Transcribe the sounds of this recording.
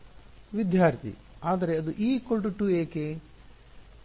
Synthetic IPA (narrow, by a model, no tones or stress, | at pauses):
ʋid̪jaːɾt̪ʰḭ | aːd̪ɐɾeɐd̪uʔiːkolʈuʈueːke